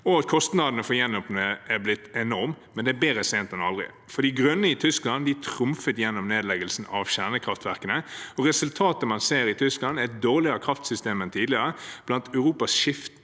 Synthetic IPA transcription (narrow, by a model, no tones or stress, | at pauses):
ɔɑt̪kʰɔst̪nɑd̪ənəfɔjɛnːɔpnəæblɪt̪ːɛnɔɾmmːɛnd̪ɛːbeːɾəsɛːnt̪ɛnɑ̰lʁɪ̰ | fɔɾd̪iːɡɾœnːəɪt̪ʰʏsklɑnd̪ɪt̪ʰɾʊmfət̪jɛnːɔmneːd̪lɛɡəlsn̩ɑʋɕæʁnəkʰʁɑft̪ʋæʁkənəɔʁɛsʉlt̪ʰɑːt̪əmɑnseːɾɪt̪ʰʏsklɑnd̪æɪt̪̚d̪oːʁlɪɑkʰɾɑft̪sʏst̪eːmɛnt̪ʰiːd̪lɪəʁɾəb̥̪ɑnt̪ʰœʉʁuːpɑsʃɪft̪